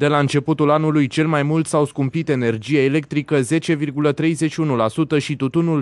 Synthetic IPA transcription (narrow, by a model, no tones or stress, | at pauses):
d̪e̞laɨnt͡ʃe̞put̪ulanulujt͡ʃe̞lmajmult̪sawskumpit̪e̞ne̞rd͡ʒieele̞k̚t̪ɾikəze̞t͡ʃe̞virɡulət̪ɾe̞jze̞ʃiunulasut̪əʃit̪ut̪unul